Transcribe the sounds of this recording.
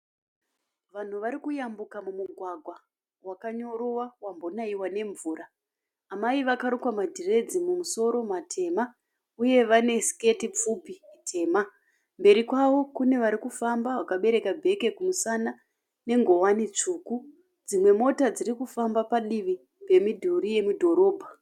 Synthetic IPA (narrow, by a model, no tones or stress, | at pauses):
ʋan̤uʋaɾikujambukamumuɡʱwaɡʱwa | wakaɲo̞ɾowawambonaiwane̞ɱvuːraː | maiʋakaɾukwamadʱire̞d͡zimumuso̞ɾo̞matʰe̞ːma | uje̞ʋane̞ske̞tip͡fupiitʰe̞ːma | mbe̞ɾikwaʋo̞kune̞ʋaɾikufambaʋakaɓe̞ɾe̞kabʱe̞ke̞kumusana | ne̞ŋɡo̞wanit͡ʂuːku | d͡zimwe̞mo̞tad͡zirikufambapaɗiʋi | pe̞midʱuɾije̞mudʱo̞ɾo̞ːbʱa